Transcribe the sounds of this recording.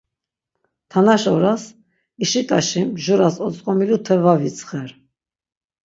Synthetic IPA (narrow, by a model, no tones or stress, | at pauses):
t̪ʰanaʃɔɾas | iʃikʼaʃimʒuɾasɔt͡sʼqʼɔmilut̪ʰɛvavit͡sʰʼχɛɾ